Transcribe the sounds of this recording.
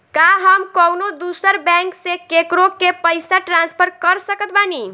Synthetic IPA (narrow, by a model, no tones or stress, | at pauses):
kaɦəmkəwnod̪usəɾbɛ̃ŋksekekɾokepəjsaʈɾanspʰəɾkəɾsəkət̪̚bani